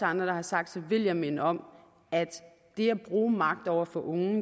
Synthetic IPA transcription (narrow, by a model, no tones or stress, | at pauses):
ɑ̈nd̥ʁɐd̥ɑ̈hɑ̈sɑ̈ɡ̥̚d̥sʰeʋe̝ljɑɪme̝nəɒ̽m | æd̥ | d̥e̝æb̥ʁuːmɑ̈ɡ̥̚d̥ɒʊ̰ɐfɒ̽ʔɔ̽ŋ